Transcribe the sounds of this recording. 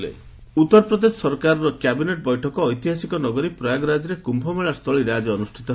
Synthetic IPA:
ḛ | ut̪ːɔɾpɾɔd̪esɔ̥sɔɾkaɾɔɾɔkjabineʈ̚bɔjʈʰɔkɔːjt̪iɦasikɔnɔɡɔɾipɾɔjaɡɾad͡ʒɔɾekumbʱɔmeɭast̪ʰɔɭiɾead͡ʒɔɔnusʈʰit̪ɔɦ

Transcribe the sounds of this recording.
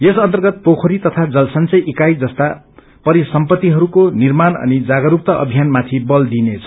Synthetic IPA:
jesʌnt̪ʌrɡʌt̪̚pokʰoɾit̪ʌt̪ʰad͡zʌlsʌnt͡sʌjʔikajd͡zʌst̪a | pʌɾisʌmpʌt̪ːiɦʌɾukonirmanʌ̰nid͡zaɡʌɾuk̚t̪ʌʔʌ̰bʱijanmat̪ʰibʌld̪inet͡sʰʌ̥

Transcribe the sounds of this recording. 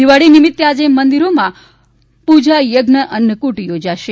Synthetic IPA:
iʋaɽinimɪt̪jəad͡ʒemənd̪iɾomã | pud͡ʒajəɡnəʔənəkuʈjod͡ʒaʃe

